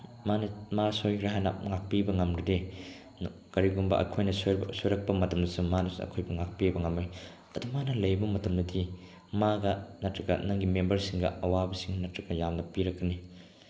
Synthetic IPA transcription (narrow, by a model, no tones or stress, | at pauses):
manɐmasojɡɾaɦajnɐŋak̚pibɐŋɐmɾɐde | n | kɐɾiɡumbɐ̰ʔɐ̰kʰojnɐssoɾɐk̚pɐmɐtɐmdɐsumanɐsṵɐ̰kʰojbɐŋak̚piɐbɐŋɐmaj | ɐdumanɐlɐjbɐmɐtɐmdɐdi | maɡɐnɐtɾɐɡɐ̰nɐŋɡimembɐɾsiŋɡɐ̰ɐwabɐsiŋnɐtɾɐɡɐjamnɐpiɾɐk̚ːɐni